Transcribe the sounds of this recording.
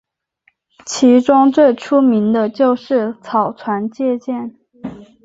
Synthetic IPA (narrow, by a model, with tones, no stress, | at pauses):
t͡ɕʰi˧˥ʈ͡ʂʊ˥ŋt͡swe˥˩ɪʈ͡ʂʰu˥mi˧˥nd̪ə˧t͡ɕjo˥˧ʊʂɻ̩˥˩t͡sʰɑ˨˩ʊt͡sʰwa˧˥nt͡ɕjɛ˥˧t͡ɕjɛ˥˩n